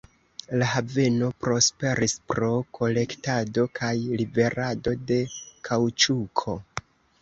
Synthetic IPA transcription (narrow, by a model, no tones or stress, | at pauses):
lahave̞no̞pɾo̞spe̞ɾispɾo̞kʰo̞le̞ktado̞kʰajlibe̞ɾado̞de̞kʰawt͡ʃukʰo̞